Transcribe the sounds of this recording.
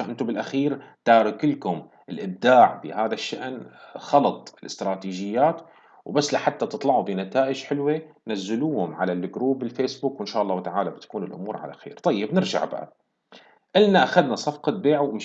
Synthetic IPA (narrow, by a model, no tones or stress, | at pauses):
aʔɪnt̪ʊbɪlʔaxiːɾt̪aːɾɪkɪlkʊm | ʔɪlʔɪb̚d̪aːʕbɪ̰ɦaːðaʃːaʔnxɑlɑt̪ˤɪlɪ̰st̪ɾˤɑːt̪iːʒɪjːaːt̪ | wbasːlaħat̪ːat̪ɨt̪ˤlɑʕubinat̪aːʔɪd͡ʒħɪlwenazːɪluːhʊmʕa̰lalːɡɾuːbɪlfeːsbuːkwɪnʃaːʔɑlˤːɑːht̪aʕaːlabɪt̪ḁkuːnɪlʔʊ̰muːɾˤʕa̰la̰xḛːɾt̪ˤɑjːɪbnɪɾʒa̰ʕbaʔa̰ | ʔɪlnaʔaxad̪nasˤɑfqɑt̪̚beːʕumɪ